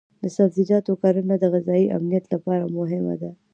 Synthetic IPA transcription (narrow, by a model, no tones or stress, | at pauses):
d̪əsafzid͡ʒɑt̪okɑɾənad̪əɣɪzɑiʔa̰mnijat̪lapɑɾamʊɦɪma̰d̪a